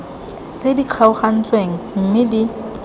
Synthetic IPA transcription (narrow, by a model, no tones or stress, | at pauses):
t͡sʼediq͡χʰaʊχan̩t͡sweŋ̩m̩mɪdi